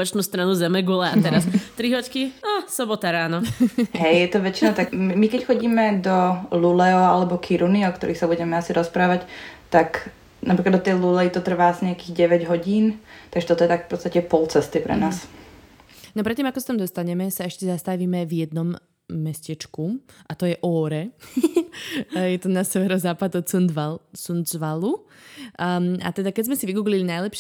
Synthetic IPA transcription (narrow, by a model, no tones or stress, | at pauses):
pat͡ʃnuːst̪ɾanuzɛmɛɡulɛat̪ɛɾast̪ɾiɦɔckiasɔbɔt̪aɾaːnɔɦɛjjɛt̪ɔʋɛt͡ʃinat̪akmikɛcxɔɟiːmɛd̪ɔlulɛɔalɛbɔkʰiɾuniɔk̚t̪ɔɾiːxsabuɟɛmɛasiɾɔspɾaːʋact̪ak | napɾiklad̪ɔt̪ɛjlulɛit̪ɔt̪r̩ʋaːsɲɛakiːɣɟɛʋɛɟɦɔɟiːnt̪aɡʒɛt̪ɔt̪ɔjɛt̪akfpɔt̪st̪acɛpɔlt͡sɛst̪ipɾɛ̰naːs | nɔp̬ɾɛt̪ːimakɔsḁt̪amd̪ɔst̪aɲɛmɛsaɛʃcɛzast̪aʋiːmɛvjɛd̪nɔmː | ɛscɛt͡ʃkuʔat̪ɔjɛʔɔːɾɛ | jɛt̪ɔnasɛʋɛɾɔzaːpad̪ɔut͡sund͡zʋalu | a̰t̪ɛd̪akɛzmɛsiʋiɡuːɡlilinajlɛpʃ